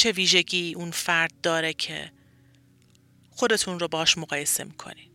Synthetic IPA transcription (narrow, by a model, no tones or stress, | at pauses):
t͡ʃʰe̞viːʒe̞ɟiːʔunfæɾd̪̚ːɒːɾe̞cʰe̞̰ | xo̞d̪e̞t̪ʰunɾobehɒːʃmoɣɒːje̞se̞̰miːkʰo̞̰nid̪̥